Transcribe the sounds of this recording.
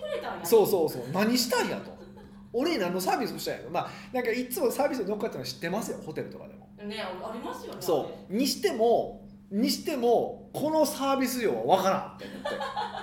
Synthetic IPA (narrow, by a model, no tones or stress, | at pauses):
so̞ːso̞ːso̞̰ːnaɲ̟iɕi̥t̪aĩja̰t̪o̞̰ | oɾe̞nãnːo̞saːbʲisɨoɕi̥t̪ã̰j̰̃ã̰t̪ːmaːnãŋkaitt͡sɨmo̞saːbʲisɨnokːat̪enoaɕi̥t̪ːe̞masɨjoho̞t̪e̞ɾɯ̟t̪o̞ka̰d̪e̞mo̞̰ | sso̞ːɲ̟iɕi̥t̪e̞mo̞ | ɲ̟iɕi̥t̪e̞mo̞kʰo̞no̞saːbʲisɨjo̞ːβa̰βakaɾã̰t̪ːe̞o̰mot̪ːe̞̰